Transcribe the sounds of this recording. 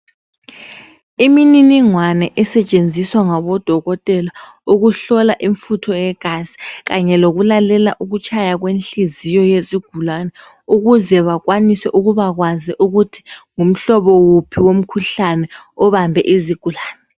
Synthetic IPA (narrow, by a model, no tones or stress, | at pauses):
imininiŋwanɛʔɛsɛt͡ʃʼend͡zʱiswaŋaβɔd̥ʱɔɣɔtʼɛla | uɣuɬɔlaʔiɱfutʰɔjɛɣ̥ʱazi̥ɣaɲɛloɣulalɛlaʔuɣut͡ʃʰʼajaɣwenɬizijɔjesiɡ̥ʱulanɛ | uɣuzɛβaɣwanisɛʔuɣuβaɣwaziʔuɣutʰi̥ŋum̩ɬɔβɔwupʰiwom̩kʰuɬanɛɔβambʱɛ̰ʔiziɡ̥ʱulaːnɛ